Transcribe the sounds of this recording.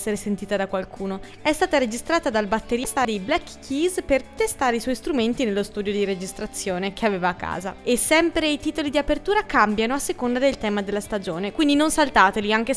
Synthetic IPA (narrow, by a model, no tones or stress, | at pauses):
sːeɾesent̪iːt̪ad̪akːwalkʰuːno | ɛst̪aːt̪aɾed͡ʒist̪ɾaːt̪ad̪albat̪ːeɾist̪ad̪iblɛkːkʰːizpert̪est̪aːɾeiswɔjist̪ɾument̪inelːost̪uːd̪jod̪iɾed͡ʒist̪ɾat̪sːjoːnek̟ʰeaveːvaːkːa̰ːza̰esːɛmpɾeit̪iːt̪olid̪iapert̪uːɾakambjanoasːekond̪ad̪elt̪ɛːmad̪elːast̪ad͡ʒoːnekwind̪inonsalt̪aːt̪eliaŋk̟e